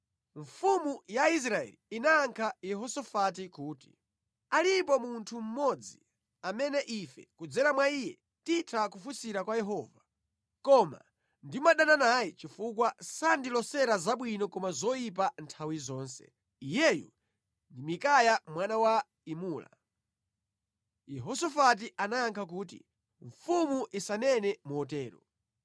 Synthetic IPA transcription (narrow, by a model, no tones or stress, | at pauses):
ɱfumujais̬ɾaɛ̰liːnaːŋkʰajɛɦɔsɔfat̬ikuːti̥̰ | alipɔmuntʰum̩mɔd͡zi | amɛnɛʔifɛ̰kud͡zɛɾamwaijɛ | titʰakufusiɾakwajɛɦɔːva | kɔma̰ | ndimaɗananajit͡ʃifuk̬wasandilɔsɛɾazaɓwinɔkɔmazɔjip̬antʰawizɔːnsɛ̰ | ijɛjṵ | ndimikajamwanawa | imuːla̰ | jɛɦɔsɔfat̬iʔanajaŋkʰakuːt̬ḭ | ɱfumuʔisanɛnɛmuɔtɛːɾɔ̰